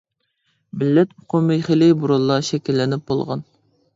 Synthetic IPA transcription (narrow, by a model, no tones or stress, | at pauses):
mɪlːɛt̪ʊqʰʊmɨjχelɪbuɾolˠːɑʃɛkʲilːɪnɪp̚bolˠʁɑ̰n